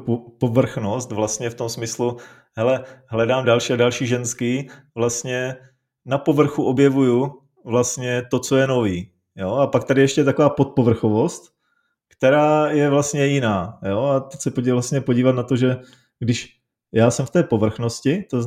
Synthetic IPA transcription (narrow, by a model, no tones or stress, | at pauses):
ppovr̩xnost̪vlast̪ɲɛft̪o̞msmɪslu | ɦɛlɛɦlɛdaːmdalʃiːadalʃiːʒɛnskiː | vlast̪ɲɛ | napo̞vr̩xuʔobjɛvuju | vlast̪ɲɛt̪o̞t͡sojɛno̞viː | joapak̚t̪adɪjɛʃcɛt̪ako̞vaːpo̞t̪̚povr̩xovo̞st̪ | kt̪ɛɾaːjɛvlast̪ɲɛjɪnaːjoat̪ɛcsɛpovlast̪ɲɛpoɟiːvat̪nat̪o̞ʒɛ | ɡdɪʃ | jaːsɛmft̪ɛːpo̞vr̩xno̞scɪt̪o